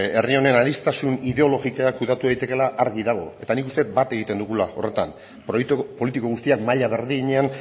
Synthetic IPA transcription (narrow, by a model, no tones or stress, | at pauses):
e̞rio̞ne̞naðist̪asuniðe̞o̞lo̞ɣikoakuðat̪uðejt̪e̞ke̞laʔaɾɣiðaɣ̞o̞e̞t̪anikust̪e̞t̪bat̪e̞ɣ̞it̪e̞nd̪uɣulao̞̰re̞t̪am | p̪po̞lit̪iko̞ɣust̪iakmaʎaβe̞ɾðiɲean